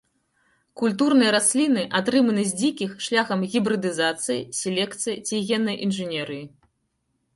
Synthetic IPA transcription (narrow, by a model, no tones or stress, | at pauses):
kulʲt̪̬urnɨjɐɾasʲlʲinɨʔat̪ɾɨmɐnɨzʲd͡zʲikʲixʂlʲaxɐmɣʲibɾɨd̪ɨzat̪sɨjḭsʲɛlʲɛkt̪sɨjit͡sʲiɣʲɛnːɐjʔinʐɨnʲɛɾɨji